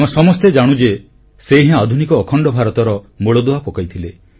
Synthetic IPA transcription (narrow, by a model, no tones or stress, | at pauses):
mɔsɔmɔst̪ed͡ʒaɽ̃ũd͡ʒe | seɦɛ̃ad̪ʱunikɔːkʰɔɳɖɔbʱaɾɔt̪ɔɾɔ | moɭɔd̪oapɔkajt̪ʰile